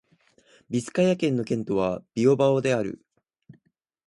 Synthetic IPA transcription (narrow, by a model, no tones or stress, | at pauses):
bʲisɨ̥kajakẽ̞nːo̞kẽ̞nt̪o̞βab̥ʲio̞baod̪e̞aɾɯ̟̰